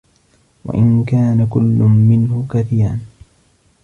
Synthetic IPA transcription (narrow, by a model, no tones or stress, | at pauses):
wa̰ʔɪnkaːnakʊlːʊmɪnhʊkaθiːɾan